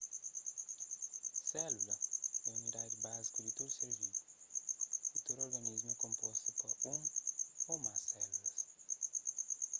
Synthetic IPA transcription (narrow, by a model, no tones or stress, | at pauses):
sɛlulɐɛunid̪ad̪ubazikud̪it̪od̪useɾvid̪u | ut̪oɾoɾɡɐnizmuɛkõmpɔst̪upɐũŋomasɛlulɐs